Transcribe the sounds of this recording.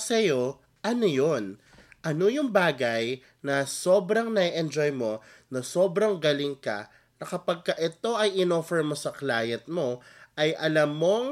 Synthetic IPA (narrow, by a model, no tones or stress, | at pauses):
sɐjo̞ | ʔɐnojon | ʔɐno̞jʊŋbaːɡɐj | nɐso̞ːbɾɐŋnɐʔiʔɛnd͡ʒojmo̞nɐso̞ːbɾɐŋɡɐlɪŋkɐ̰ | nɐkɐpɐɡ̚kɐʔɛt̪o̞ʔɐjʔɪnoːfɛɹmo̞sɐklaːjɛnt̪̚mo̞ʔɐjʔɐlɐmːo̞ŋ